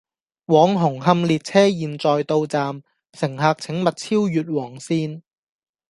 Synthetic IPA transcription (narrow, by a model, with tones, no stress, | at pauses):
wɔː˨˥ŋɦʊ˨˩ŋɦɐ˧mliː˨t̚t͡sʰɛː˥jiː˨nt͡sɔː˨jt̪o˧wt͡saː˨˧m | sɪ˨˩ŋɦaː˧k̚t͡sʰɪ˨˥ŋmɐ˨t̚t͡sʰiː˥wjyː˨t̚wɔː˨˩ŋsiː˧n